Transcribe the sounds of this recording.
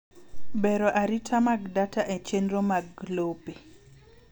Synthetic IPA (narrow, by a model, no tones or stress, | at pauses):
bɛɾɔʔaɾitʰamaɡdataʔɛt͡ʃenɾomaɡlope